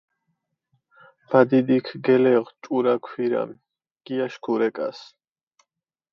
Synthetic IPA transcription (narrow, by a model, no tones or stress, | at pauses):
v̥ad̪id̪ikʰɡɛlɛʁt͡ʃʼuɾakʰwiɾa̰m | ɡ̥iaʃkʰuɾɛkʼas